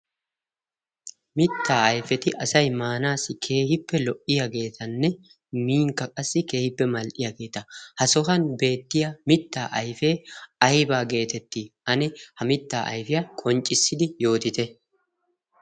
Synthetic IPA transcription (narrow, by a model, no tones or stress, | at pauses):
mɪt̪ːaːɐjfɛt̪ɪʔɐsɐjmaːnaːsːɪkʰe̞ːhɪpːɛlɔʔːɪjaɡe̞ːt̪ʰɐnːɛ | miːŋkːɐkʼɐsːɪke̞ːhɪpːɛmɐlʔɪjɐɡe̞ːt̪ɐhɐsɔhɐnbe̞ːt̪ːɪjɐmɪt̪ːaːʔɐjfe̞ːɐjbaːɡe̞ːt̪ɛt̪ːiɐnɛhɐmɪt̪ːaːʔɐ̰jfɪjɐkʼɔnt͡ʃʼːɪsːɪd̪ɪjo̞ːt̪ɪt̪ɛ